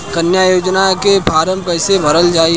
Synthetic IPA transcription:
kɐnjaːjoːd͡ʒnakepʰaːɾəmpɛːsebʱɐɾəld͡ʒaːi

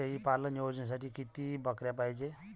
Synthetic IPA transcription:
eipalənjod͡ʒns̬aʈʰikit̪ibəkɾjapajt͡ʃe

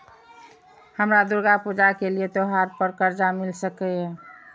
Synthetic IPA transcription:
həmɾad̪uɾɡapud͡ʒakeliet̪oɦaɾpəɾkəɾd͡ʒamilsəkɛɛ

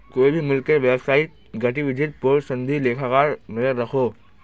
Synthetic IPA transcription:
koːibʱimʊlkəɾʋebsaːɪʈ̪̚ | ɡɐʈiʋɪd͡ʒʱɪt̪̚pʊɾsɐ̃nd̪ʱileːkʰakaːɾnɐzəɾːɐkʰoː

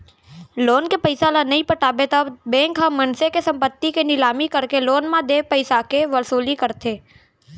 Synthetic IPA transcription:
loːnkepəɪsalanɐɦĩpəʈʰaːbet̪əbẽːŋkɦəmɐnsekesɐ̃mpət̪ːikenɪlaːmikɐɾkeloːnmãd̪eːpɐɪsakeʋɐɾsuːlikɐɾt̪ʰeː

